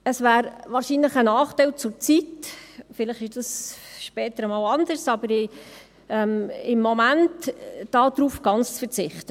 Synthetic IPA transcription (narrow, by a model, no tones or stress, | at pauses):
əsʋæːɾʋɑːɾʃinləχənɑːχtɛɪlt͡sʊɾt͡sitfɪləχɪɾd̥ɑsʃpɛːt̪əɾəmɑːwɑndəɾsɑbəɾɪ | ɛmɪmːɔmæntd̥ɑːd̥̪ɾuːfɡ̥ɑnt͡st͡sfəɾt͡sɪχt̪ə